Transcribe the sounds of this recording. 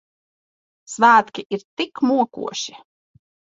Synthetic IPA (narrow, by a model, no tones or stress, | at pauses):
svæːt̪kʲiʔiɾt̪ikmuɔkṵɔʃi